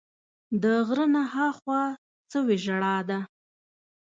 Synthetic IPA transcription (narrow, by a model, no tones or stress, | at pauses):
d̪əɣɾənahɑxwɑ | t͡səweʒaɽɑd̪a